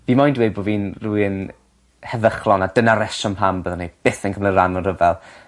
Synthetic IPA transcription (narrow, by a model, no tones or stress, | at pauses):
viːmajndwejboːviːnrujən | hɛðəχlˠɔnadənaɾɛʃɔnpʰambəðɔnejb̥ɪθənkʰəmlɪnranɔrəvɛlˠ